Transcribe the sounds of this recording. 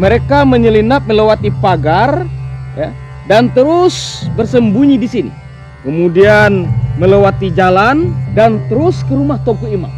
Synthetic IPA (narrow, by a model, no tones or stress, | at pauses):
məɾekaməɲəlinap̚məlewat̪ipaɡarja̰ | dant̪əɾʊsbərsəmbuɲidisinḭ | kəmudianməlewat̪id͡ʒalandant̪əɾʊskəɾumaht̪oŋkuima̰